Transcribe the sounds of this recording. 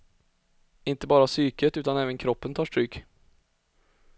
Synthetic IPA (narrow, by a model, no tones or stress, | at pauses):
ɪnt̪əbɑːɾasyːkət̪ʉːt̪anɛːvənkʰɾɔpːənt̪ʰɑːʂʈɾyːk